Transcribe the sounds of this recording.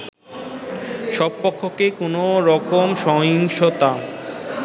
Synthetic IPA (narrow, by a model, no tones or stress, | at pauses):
ʃɔbpɔkʰːokekonoɾɔkomʃɔjoŋʃot̪a